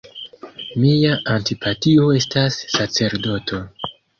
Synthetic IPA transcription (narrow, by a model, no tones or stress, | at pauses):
miaʔantipʰatio̞e̞stasːat͡se̞ɾdo̞tʰo̞